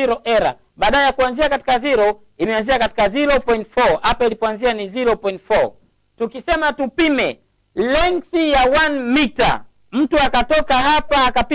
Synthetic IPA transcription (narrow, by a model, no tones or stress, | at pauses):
iɾɔʔɛɾa̰ | ɓaːɗaajakuanziakati̥kaziɾɔ | imɛanziakati̥kaziɾɔpɔintfɔhapailipɔanzianiziɾɔpɔintfɔ | tukisɛmatupimɛ | lɛŋsijawanmita̰ | m̩tuakatɔkaɦapaːkapi